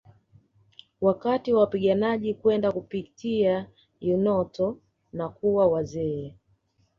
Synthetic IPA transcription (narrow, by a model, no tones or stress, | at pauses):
wakatiwawapiɠanaʄikwɛndakupitia | junɔtɔ | nakuwawazɛɛ